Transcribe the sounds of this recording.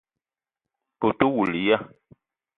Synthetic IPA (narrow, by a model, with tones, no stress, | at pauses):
o˨tu˦wu˨li˨ja˦